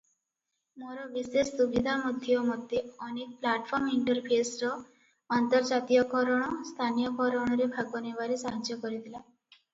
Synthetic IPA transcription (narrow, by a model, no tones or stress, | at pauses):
moɾɔbisessubid̪ʱamud̪ʱjɔmɔd̪ʱjeɔnek̚plaʈpʰɔɾmiɳʈɔɾpʰesɾɔ | ɔnt̪ɔɾd͡ʒat̪ijɔkɔɾɔɽ̃ɔst̪ʰanijɔkɔɾɔɽ̃ɔɾebʱaɡɔnebaɾesaɦad͡ʒjɔkɔɾit̪ʰila